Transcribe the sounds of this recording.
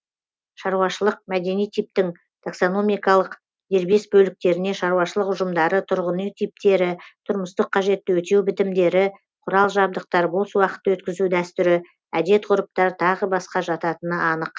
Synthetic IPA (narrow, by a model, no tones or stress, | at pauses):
ʃɑɾuwɑʃəlˠəq̚mæd̪e̞nijt̪ʰijp̚t̪ɪŋ | t̪ʰakso̞no̞mijkɑlˠəq | d̪e̞ɾbesbɵlɪk̚t̪e̞ɾɪne̞ʃɑɾuwɑʃəlˠəqʊʒəmd̪ɑɾət̪ʰʊɾʁənijt̪ʰip̚t̪e̞ɾɪt̪ʰʊɾməst̪əqʰːɑʒe̞t̪ːɪwɵt̪e̞wbɪt̪ɪmd̪e̞ɾɪ | qʰʊɾɑlˠʒɑb̚d̪əq̚t̪ɑɾbo̞lˠsəwɑqə̥t̪ːəwɵt̪kʲɪzud̪æst̪ʏɾɪ | æd̪e̞t̪qʊɾəp̚t̪ɑɾt̪ʰɑʁəbɑsqɑʒɑt̪ɑt̪ənəʔɑnəq